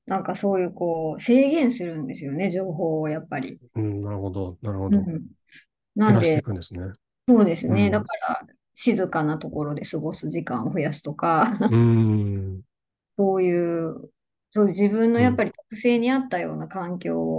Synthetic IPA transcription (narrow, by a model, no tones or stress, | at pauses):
nãŋkaso̞ːjɯ̟ːko̞ːse̞ːɡẽ̞ɰ̃sɨɾɯ̟̃nd̪e̞sɨjo̞ne̞ʑo̞ːɦo̞ːjapːaɾʲḭ | ɯ̃ɴnaɾɯhod̪onaɾɯ̟hod̪oɯ̃ɴ | nãnad̪eekɯ̟̃nd̪esɨne | so̞ːd̪e̞sɨne̞d̪akaɾa̰ | ɕizɨkanat̪o̞ko̞ɾo̞d̪e̞sɨɡo̞sɨʑikã̰ɰ̃oɸɯ̟jasɨ̥t̪o̞kaɯ̃ | so̞ːjɯ̟ː | soːʑibɯ̟̃nːo̞japːaɾʲit̪o̥kɯ̟̥se̞ːɲ̟iat̪ːajo̞̰ːnakãŋkʲo̞ː